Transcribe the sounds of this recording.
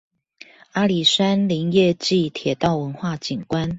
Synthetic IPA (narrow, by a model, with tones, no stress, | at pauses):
a˥li˨˩sa˥nli˧˥ŋjɛ˥˧t͡ɕi˥˨t̪ʰjɛ˨˩t̪ɑ˥˨ʊwə˧˦nxwa˥˨t͡ɕi˨˩ŋkwa˦n